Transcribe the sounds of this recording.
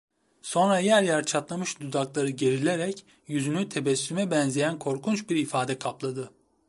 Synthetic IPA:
so̞nɾajæɾjæɾt͡ʃʰat̪lˠamɯʃd̪ud̪aklˠaɾɯɟe̞ɾilʲeɾɛc | jyzynyt̪ʰe̞bɛsːymɛbɛnzejænkʰo̞ɾkʰunt͡ʃbiɾifaːd̪ɛkʰaplˠad̪ɯ

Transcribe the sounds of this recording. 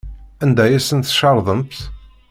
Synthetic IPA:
ænd̪æjæsənt̪ʃɑɾˤðˤəmbθ

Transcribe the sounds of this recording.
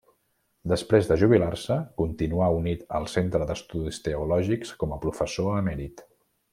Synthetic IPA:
d̪əspɾezðəʒuβ̞ilarsəkunt̪inuaunit̪əlˠsent̪ɾəðəst̪uðist̪əulɔʒikskɔməpɾufəsoəmɛɾit̪

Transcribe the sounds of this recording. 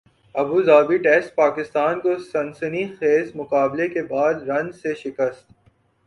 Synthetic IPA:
ɐbuzaːbiʈeːsʈ̚paːkɪst̪aːnkosɐ̃nsənixeːzmʊkaːblekebaːd̪ɾɐ̃nd͡ʒseʃɪkəst̪

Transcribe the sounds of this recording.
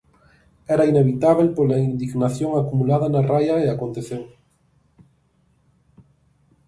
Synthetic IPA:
ɛɾaineβit̪aβ̞elpolaind̪iɣnaθjoŋakumulaðanarajaeakont̪eθew

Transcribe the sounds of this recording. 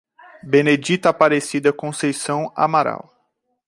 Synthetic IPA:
bened͡ʒit̪apaɾesid̪ɐkõsejsɐ̃w̃a̰maɾa̰w

